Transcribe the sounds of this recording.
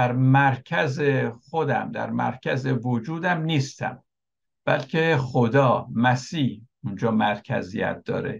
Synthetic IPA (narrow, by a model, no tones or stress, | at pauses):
æɾmæɾcʰæzexod̪æ̰md̪æ̰ɾmæ̰ɾcʰæzevod͡ʒuːd̪æmniːst̪æ̰m | b̥æ̰lcʲʰexod̪ɒːmæsiːh | und͡ʒɒːmæɾcʰæ̰zḭjæ̰t̪̚d̪̥ɒ̰ːɾḛ